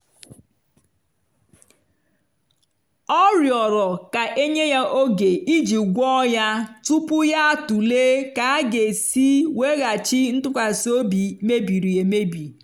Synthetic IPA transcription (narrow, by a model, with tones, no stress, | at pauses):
ɔ˦ɾjɔ˨ɾɔ˨ka˨ʔe˦ɲe˦ja˦ʔo˦ɡe˨i˦d͡ʒi˨ɡʷɔ˦ja˦tu˦pʊ˦ja˦a˨tu˨le˦ka˨a˦ɡe˨si˦we˦ɣa˨t͡ʃi˦n̩˦tʊ˦kʷa˨so˦bi˨me˦bi˨ɾi˨e˨me˦bi˨